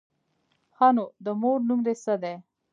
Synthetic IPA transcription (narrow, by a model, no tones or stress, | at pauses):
xɑnod̪əmoɾnumd̪esəd̪e